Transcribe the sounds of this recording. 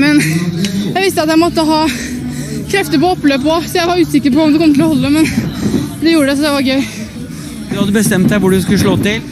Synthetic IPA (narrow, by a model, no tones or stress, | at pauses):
mɛnjæɪʋɪst̪əɑt̪jæɪmɔt̪ːəɦɑː | kʰɾɛft̪əɾpɔɔpːløːpɔsɔjæɪʋɑɾʉːsɪkːəɾpɔɔmd̪ɛkɔmət̪ɪlɔhɔlːəmɛn | d̪ɛjuːɾəɖ̪ɛs̬ɔd̪ɛʋɑɾɡœʏ | d̪ʉhɑd̪ːəbəst̪ɛmt̪̚d̪æɪʋʊɖʉskʉləʂɭoːt̪ɪl